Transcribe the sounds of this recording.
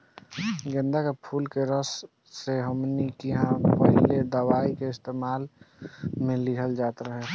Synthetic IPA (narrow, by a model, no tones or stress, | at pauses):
ɡə̃nd̪akepʰuːlkeɾəsː | eɦəmnikiɦãpəɦiled̪əʋaːikeɪst̪eːmaːl | mẽlɪɦəld͡ʒaːt̪ɾəɦe